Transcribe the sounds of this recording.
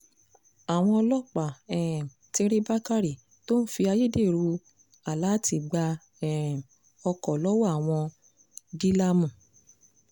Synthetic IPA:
a˨w̃ɔ̃˧ɔ˧lɔ˦k͡pa˨ɛ˨ | te˦ɾe˦ba˦ka˦ɾi˨ | to˦n̩˦fi˧a˧je˦de˦˨ɾu˧ | a˨la˨˦ti˧˨ɡ͡ba˧ | ɛ˨ | ɔ˧kɔ˨lɔ˦wɔ˦a˦˨w̃ɔ̃˧ | ɡi˦la˦mũ˨

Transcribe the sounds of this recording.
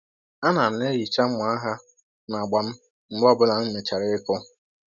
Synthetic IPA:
a˦na˨m̩˨ne˦ɾi˨t͡ʃa˦m̩˦ma˨˦a˦ɦa˦ | na˨ɡ͡ba˨m̩˦ | m̩˦bɔ˦bʊ˦la˨m̩˦me˨t͡ʃa˨ɾɪ˦kɔ˦

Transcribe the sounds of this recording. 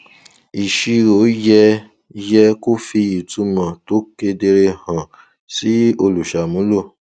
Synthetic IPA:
i˨ʃi˧ɾo˨˦jɛ˧ | jɛ˧ko˦fi˧i˨tu˨˦mã˨to˨˦ke˧de˧ɾe˧hã˨ | si˨˦o˧lu˨ʃa˨mũ˨˦lo˦˨

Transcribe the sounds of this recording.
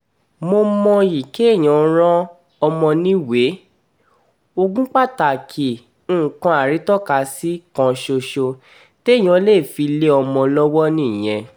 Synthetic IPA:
mo˧mɔ̃˧ji˨ke˨˦˨j̃ɔ̃˨˦ɾ̃ã˦ | ɔ˧mɔ̃˧nĩ˦we˨˦ | o˧ɡũ˦k͡pa˦˨ta˨kʰĩ˨˦˨ | kã˧˦a˨ɾi˨˦tɔ˦˨ka˨˧˦si˦kã˧ʃo˧ʃo˧ | te˦˨j̃ɔ̃˨˦le˦˨fi˧le˦ɔ˧mɔ̃˧lɔ˦wɔ˦nĩ˦˨j̃ɛ̃˧

